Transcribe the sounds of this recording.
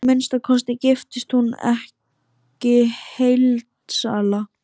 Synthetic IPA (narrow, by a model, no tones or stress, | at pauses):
mɪnst̪aðkʰɔst̪ɪcɪft̪ɪst̪hunɛ̰h | cɪhejlt̪sa̰ːla